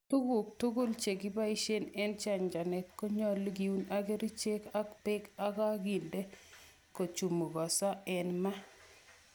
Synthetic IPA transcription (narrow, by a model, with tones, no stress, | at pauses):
tu˦ɡu˨k̚tu˦ɡu˦lt͡ʃe˨ɡi˦ba˦i˦ʃe˦nɛ˦nt͡ʃa˦˨ɲd͡ʒa˨nɛ˨kːo˦ɲɔ˦lɡi˨u˦na˦ɡe˦ɾi˦t͡ʃe˦ka˦kpɪ˦ka˦ka˦ɡi˨nde˦ | ko˨t͡ʃu˨mu˨ɡɔ˨sa˦ɛ˨nma˦